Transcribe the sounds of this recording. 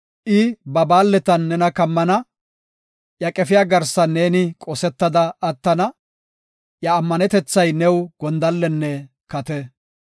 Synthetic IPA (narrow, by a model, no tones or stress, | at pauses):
ʔɪbɐbaːlːɛt̪ɐnːɛnɐkɐmːɐnɐ | jɐkʼɛfɪjaːɡɐɾsɐneːnɪkʼɔsɛt̪ːɐd̪ɐːt̪ːɐnɐ | jɐːmːɐnɛt̪ɛt͡sːɐjnɛwɡ̥ɔnd̪ɐlːɛnːɛ | kɐt̪ɛ